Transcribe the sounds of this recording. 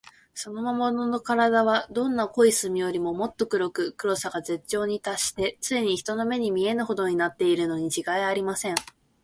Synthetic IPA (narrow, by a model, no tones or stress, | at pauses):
so̞no̞mamo̞nono̞kaɾad̪aβ̞ad̪õ̞nːako̞isɨmʲijo̞ɾʲimo̞mo̞t̪ːo̞kɯ̟ɾo̞kɯ̟kɯ̟ɾo̞saɡaze̞t͡ɕːo̞ːɲ̟it̪aɕi̥t̪e̞t͡sɨeɲ̟içi̥t̪o̞no̞me̞ɲ̟imʲie̞nɯ̟ho̞d̪o̞ɲ̟inat̪ːe̞iɾɯ̟no̞ɲ̟it͡ɕiɡaiaɾʲimasẽ̞ŋ